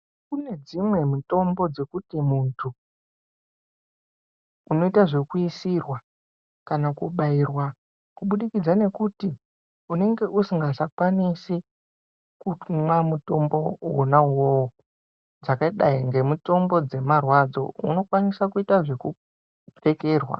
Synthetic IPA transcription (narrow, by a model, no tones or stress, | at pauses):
kune̞d͡zimwe̞muto̞mbo̞d͡ze̞kutimuntʰu | no̞itaʐe̞kuisirwa | kanakuɓairwa | kuɓuɗikid͡zane̞kuti | une̞ŋɡe̞ʔusiŋɡasakwanisi | kumwamuto̞mbo̞wonauwow | d͡zakaiɗaiŋɡe̞muto̞mbo̞d͡ze̞marwad͡zo̞̰ṵno̞kwanisakuitaʐe̞ku | p͡fe̞ke̞ːrwa̰